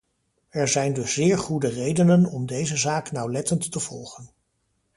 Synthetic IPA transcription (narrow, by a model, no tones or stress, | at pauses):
ɛɹzɛjndɵszɪːɹχudərejdənənɔmdejzəzaːknɑwlɛtəntːəv̥ɔlˠχən